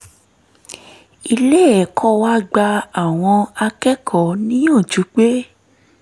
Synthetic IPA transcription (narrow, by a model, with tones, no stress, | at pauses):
i˧le˦ɛ˦˨kʰɔ˦wa˦ɡ͡ba˧a˨w̃ɔ̃˧a˧kɛ˦kʰɔ˨˦nĩ˦j̃ã˦˨d͡ʒu˨˦k͡pe˦